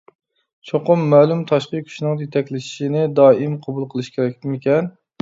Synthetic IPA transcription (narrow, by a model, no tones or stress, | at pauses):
t͡ʃʰoqʊmːɛːlˠumt̪ʰɑʃqəkʲʰy̥ʃinɨŋjet̪ʰɛkʲlɪʃi̥ʃinɪd̪ɑːimqʰɑbulˠqʰəlˠɨʃkʲʰeɾɛk̚ʲt̪ɪmɪkʲɛn